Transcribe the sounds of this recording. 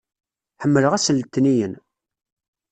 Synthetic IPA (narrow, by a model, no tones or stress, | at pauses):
ħəmːələʁæsəlːt̪ːnijən